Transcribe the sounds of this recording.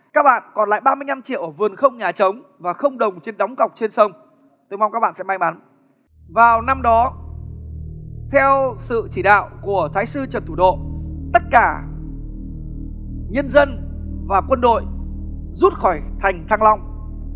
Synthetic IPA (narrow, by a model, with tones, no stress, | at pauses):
kaː˦˥k̚ɓa̰ː˧˨nkɔ˨˩nla̰ː˧˨jɓaː˧mɨ˧əjɲna˧mt͡ɕḭ˧˨əwʔəː˧˩vɨ˨˩ənxə˧wŋ͡mɲaː˨˩t͡ɕə˨˦wŋ͡m | vaː˨˩xə˧wŋ͡mɗə˨˩wŋ͡mt͡ɕe˧nɗɔ˨˦wŋ͡mkə˨˩wk͡p̚t͡ɕe˧nsə˧wŋ͡m | t̪jma˧ŋ͡mkaː˦˥ɓa̰ː˧˨sɛ̰˧˥ma˧jma˨˦n | vaː˨˩wna˧mɗɔ˨˦ | t̪ʰɛ˧wsɨ̰˧˨t͡ɕi˧˩ɗa̰ː˧˨wku˧˩ət̪ʰaː˨˦jsɨ˧t͡ɕə˨˩nt̪ʰu˧˩ɗo̰˧˨t̪ə˦˥t̚kaː˧˩ | ɲə˧ənzə˧n | vaː˨˩kwə˧nɗo̰˧˨j | zu˦˥t̚xɔ˧˩jt̪ʰa˨˩jŋ̟t̪ʰaː˧ŋlɔ˧wŋ͡m